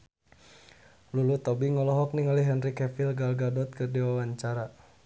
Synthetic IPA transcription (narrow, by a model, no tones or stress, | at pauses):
lulut̪ɔbiŋɔlɔɦɔk̚niŋaliɦɛnrikɛfilɡalɡadɔt̪̚kərdiwawaɲt͡ʃaɾa